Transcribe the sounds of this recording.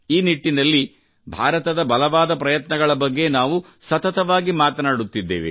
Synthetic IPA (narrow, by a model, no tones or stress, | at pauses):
iːniʈːinɐlːi | bʱaːɾɐt̪ɐd̪ɐbɐlɐʋaːd̪ɐpɾɐjɐt̪nɐɡɐɭɐbɐɡːe̞naːʋu | sɐt̪ɐt̪ɐʋaːɡimaːt̪ɐnaːɽut̪ːid̪ːḛːʋḭ